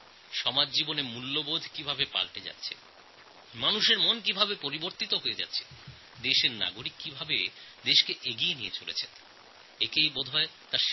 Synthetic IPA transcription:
ʃɔmad͡ʑd͡ʑibonemulːobod̪ʱkibʱabepa̰lʈed͡ʑa̰tːʰe̥̰ | manuʃeɾmonk̬ibʱabepoɾiboɾt̪it̪oɦojed͡ʑa̰tːɕʰe̥ | d̪eʃeɾna̰ɡoɾikːibʱabḛd̪eʃkeʔeɡienijet͡ɕolḛt͡ɕʰen | ekejbod̪ʱɔet̪aɾʃ

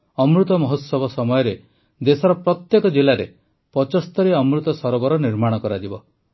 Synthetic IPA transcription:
ɔmɾut̪ɔmɔɦɔt̪sɔbɔsɔmɔjɔɾe | d̪esɔɾɔpɾɔt̪jekɔd͡ʒilaɾe | pɔt͡ʃɔst̪ɔɾiɔmɾut̪ɔsɔɾɔbɔɾɔniɾmaɽ̃ɔkɔɾad͡ʒibɔ

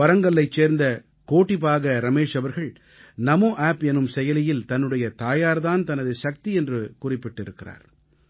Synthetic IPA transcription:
ʋɐɾɐŋɡɐɭːɐɪt͡ʃːeːɾnd̪ɐ | koːʈːɪpaːɣɐɾɐmeːʂɐʋɐɾɣɐɭ | nɐmoːʔaːpɛnːɯmsɛjɐlɪjɪlt̪ɐnːɯɽɐjɐt̪aːjaːɾðaːnt̪ɐnɐðɯʃɐk̚t̪iɛndrɯkʊrɪpːɪʈːɪɾɯkːɪra̰ːɾ

